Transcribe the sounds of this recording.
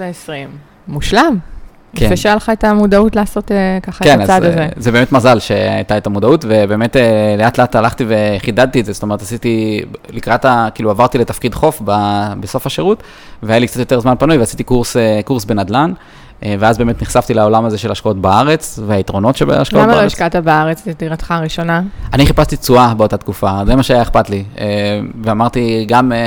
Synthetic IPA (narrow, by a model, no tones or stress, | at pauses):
esʁimː | uʃlam | kefeʃealχaetamudautlaːso̞tekaχakenazadazezebeːmetmazalʃea̰jt̪aetamudautve̞be̞ːmetele̞atleatalaχt̪ive̞χidad̪̚t̪ietzeso̥toe̞ʁetasit̪ilikʁat̪akiːluavaʁt̪ile̞t̪afkidχo̞fbabeso̞faʃeʁut | veajalikt͡sat̪jo̞t̪e̞ʁzmanpanujveasit̪ikuʁsekuʁsbe̞nad̪lan | veazbeːmet̪niχsaft̪ilao̞lamaze̞ʃelaʃkao̞tbaaʁe̞t͡sveait̪ʁo̞no̞tʃeba̰aʃkaomabaaʃkat̪abaaʁet͡st̪ediʁat̪χaʁiʃo̞naaniχipast̪it͡suabeo̞tat̪kufazemaʃeajaeχpatlieveamaʁt̪iɡam